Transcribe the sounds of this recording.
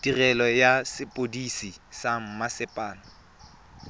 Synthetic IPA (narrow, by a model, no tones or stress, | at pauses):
d̥irɛlɔjasɪpʼodisisam̩masɪpʼaːnɔ